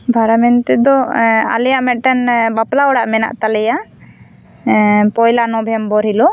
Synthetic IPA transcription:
bʱaɾamɛnt̪ɛd̪ɔa̰lɛjaʔmɛʈɛnbaplaɔɽaʔmɛna̰ʔt̪alɛja | pɔjlanɔbʱɛmbɔɾilɔ

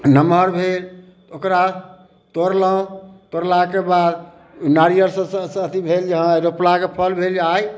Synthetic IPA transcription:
nəməɾbʱel | t̪okɾa | t̪oɾlaõt̪oɾlakebad̪ | naɾijəɾsə̃ssət̪ibʱeld͡ʒəɦə̃ɾoplakepʰəlbʱeld͡ʒaj

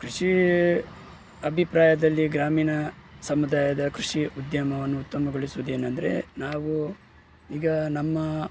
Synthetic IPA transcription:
kɾuʂi | ɐbʱipɾaːjɐd̪ɐlːiɡɾaːmiːnɐsɐmud̪aːjɐd̪ɐkɾuʂiud̪jɐmɐʋɐnːuːt̪ːɐmɐɡoɭisuʋud̪e̞ːnɐnd̪ɐɾe̞̰naːʋu | iːɡɐnɐmːɐ

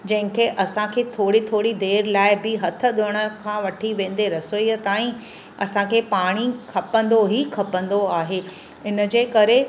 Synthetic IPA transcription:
d͡ʑɐ̃ɦɪ̃kʰeʔɐsãkʰeːt̪ʰoːɽit̪ʰoːɽid̪eːɾlaːɪbɪɦɐt̪ʰə̆ɗʊɽ̃əkʰãːʋɐʈʰiʋẽːn̆d̪eɾɐsoiət̪aːĩ | ɐsãkʰeːpaːɽ̃ikʰɐpə̃nd̪oɦikʰɐpə̃nd̪oaːɦeː | ɪnə̆d͡ʑeːkɐɾe

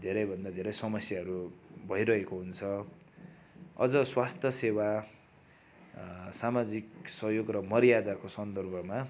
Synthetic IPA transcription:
d̪ʱeɾʌjbʱʌnd̪ad̪ʱeɾʌjsʌmʌsjaɦʌɾubʱʌiɾʌɦekoɦunt͡sʰʌ | ʌ̰d͡zʌswast̪ʰjʌsewa | samad͡ziksʌɦjoɡrʌmʌɾijad̪akosʌnd̪ʌrbʱʌma

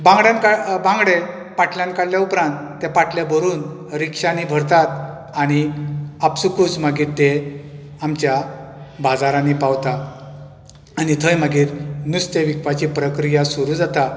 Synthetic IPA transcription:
bãŋɡɽjankabãŋɡɽe | paʈʰljãnkaɽljaupɾãnt̪ːepaʈlebʱəɾuːn | ɾikʂanibʱəɾt̪at̪ | aɽ̃iapsukut͡smaɡiːɾt̪e | amt͡ɕjabad͡zaɾãnipawt̪a | aɽ̃it̪ʰəjmaɡiːɾnust̪eʋikʋat͡ɕiːpɾəkɾijasuɾuːd͡zat̪a

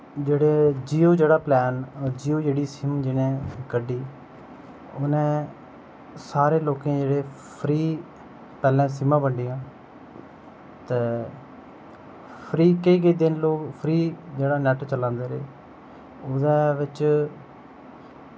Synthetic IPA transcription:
d͡ʒeːɽeːd͡ʒiːoːd͡ʒeːɽaːplɛːnd͡ʒiːoːd͡ʒeːɽiːsɪmd͡ʒɪnẽːkəɖiː | ʊnẽː | saːɾeːloːkẽːd͡ʒeːɽeː | pʰɾiː | pɛːlɛ̃ːs̬ɪmãːbəɳɖijãː | t̪eː | pʰɾiːkəiːkəːd̪ɪnloːkpʰɾiːd͡ʒeːɽaːnɛʈt͡ʃəlãːnd̪eːɾḛː | ʊd̪eːʋɪt͡ʃ

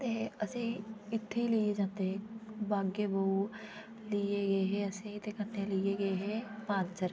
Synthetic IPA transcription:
t̪eːəsĩːɪt̪ʰːeilied͡ʒãːnt̪eɦẽːbaːɡeːbəu | lieɡəeɦɛːəsĩːt̪ekəɾnelɪeɡəeɦɛːpãːnt͡ʃəɾ

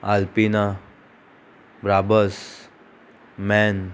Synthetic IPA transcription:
alpina | bɾabəs | mɛn

